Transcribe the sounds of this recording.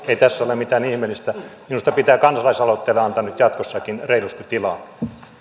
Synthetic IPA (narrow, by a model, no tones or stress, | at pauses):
eit̪æsːæolemit̪æːnihmelːist̪æminust̪ɑpit̪æːkɑnsɑlɑisɑlot̪ːeːlːeɑnt̪ɑnyt̪jɑt̪kosːɑkinreilust̪it̪ilɑ